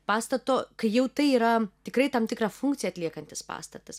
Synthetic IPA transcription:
pɑːst̪ɐt̪oːkɐɪjɛʊt̪ɐɪiːɾɐt̪ʲɪkɾɐɪt̪ɐmt̪ʲɪkɾɑːfuŋkt̪sʲɪjɛɐt̪ʲlʲiɛkɐnʲt̪ʲɪspɑ̰ːst̪ɐt̪ɐs

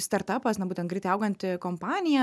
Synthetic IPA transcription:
st̪ɐɾt̪ɐpɐsnɐbuːt̪ʲɛnt̪ɡɾʲɪt̪ɛɪɐʊɡɐnt̪ʲɪkompɑːnʲɪjɛ

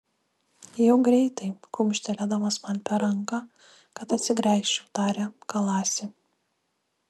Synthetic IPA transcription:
jɛʊɡɾʲɛɪt̪ɐɪkʊmʲʃʲt̪ʲɛlʲæd̪ɐmɐsmɐnʲpʲɛɾɐŋkɑ | kɐt̪ɐt̪ʲsʲɪɡɾʲæˑɪʃʲt͡ʃʲɛʊt̪ɑːɾʲɛkɐlˠɑːsʲɪ

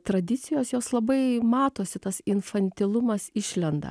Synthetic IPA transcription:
t̪ɾɐd̪ʲɪt̪sʲɪjoːsjoːslˠɐbɐɪmɑːt̪oːsʲɪt̪ɐsɪnfɐnʲt̪ʲɪlˠʊmɐsɪʃʲlʲɛnd̪ɐ̰

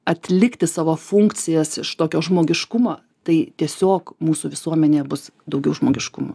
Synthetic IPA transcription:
ɐt̪ʲlʲɪkt̪ʲɪsɑːʋoːfʊŋkt͡s̪ʲɪjɛsɪʃt̪oːkʲoːʒmoːɡʲɪʃkʊmoː | t̪ɐɪt̪ʲiɛsʲoːkmuːsuːʋʲɪsuɔmʲɛnʲeːbʊsd̪ɐʊɡʲɛʊʒmoːɡʲɪʃkʊ̰mo̰

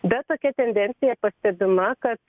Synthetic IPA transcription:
bʲɛt̪oːkʲɛt̪ʲɛnʲd̪ʲɛnʲt̪ʲɪjɛpɐsʲt̪ʲɛbʲɪmɐkɐt̪̚

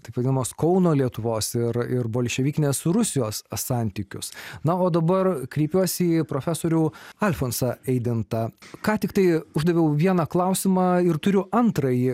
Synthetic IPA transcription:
t̪ɐɪpʋɐd̪ʲɪnɐmoːskɔʊnoːlʲiɛt̪ʊʋoːsɪɾɪɾboːlʲʃʲɛʋʲiːkʲɪnʲeːsɾʊsʲɪjoːsːɑːnʲt̪ʲiːkʲʊ̰snɐoːd̪ɐbɐrkɾʲiːpʲuɔsʲiːpɾoːfʲæːsoːɾʲuːɐlʲfoːnsɐɛɪd̪ʲɪnt̪ɐkɑːt̪ʲɪkt̪ɐɪʊʒd̪ɐʋʲɛʊʋʲiɛnɐklˠɐʊsʲɪmɑːɪɾt̪ʊɾʲʊɐnt̪ɾɐjɪ

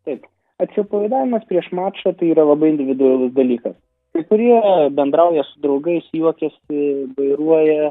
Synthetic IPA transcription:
t̪ɐɪp | ɐt̪ʲsʲʊpɐʋɐɪd̪ɑːʋʲɪmɐspʲɾʲiɛʃmɑːt͡ʃɐt̪ɐɪiːɾɐlˠɐbɐɪɪnʲd̪ʲɪʋʲɪd̪ʊɐlˠʊsd̪ɐlʲiːkɐs | kɐɪkʊɾʲiɛbʲɛnd̪ɾɐʊjɛsʊd̪ɾɒʊɡɐɪsjuɔkʲɛsʲɪʋɐɪɾuɔjɛ

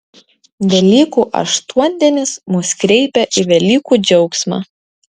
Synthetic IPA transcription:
ʋʲɛlʲiːkuːʔɐ̰ʃt̪uɔnʲd̪ʲɛnʲɪsmuskɾʲɛɪpʲɛʔɪʋʲɛlʲiːkuːd͡ʒʲɛʊksmɑ̰ː

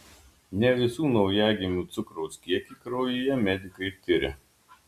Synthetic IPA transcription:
nʲɛʋʲɪsuːnɐʊjæːɡʲɪmʲuːt̪sʊkɾɔʊsʲkʲiɛkʲiːkɾɔʊjijɛmʲɛd̪ʲɪkɐɪt̪ʲɪɾʲɪ̰

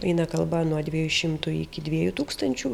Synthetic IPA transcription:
ɐɪnɐkɐlˠbɐnuɔd̪ʲʋʲiɛjuʃʲɪmt̪ʊɪkʲɪd̪ʲʋʲiɛjut̪uːkst̪ɐnʲt͡ʃʲu

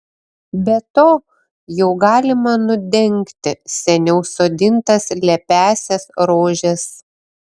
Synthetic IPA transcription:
bʲɛt̪oː | jɛʊɡɑːlʲɪmɐnʊd̪ʲɛŋʲkt̪ʲɪsʲɛnʲɛʊsoːd̪ʲɪnt̪ɐslʲɛpʲæːsʲɛsɾoːʒʲɛs

